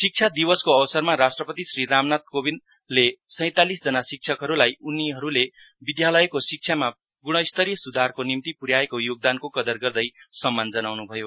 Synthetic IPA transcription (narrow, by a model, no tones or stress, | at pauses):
sik̚t͡ʃʰad̪ibʌskoʌbʌsʌrmaɾasʈrʌpʌt̪isriɾamnat̪̚kobin | lesʌ̃j̃t̪alisd͡zʌnasik̚t͡sʰʌkɦʌɾulajuniɦʌɾule | bid̪jalʌjkosik̚t͡ʃʰjama | ɡuɽ̃ʌist̪ʌɾijʌsud̪ʱarkonimt̪ipuɾjaekojoɡ̚d̪ankokʌd̪ʌrɡʌrd̪ʌjsʌmːand͡zʌnawnubʱʌjo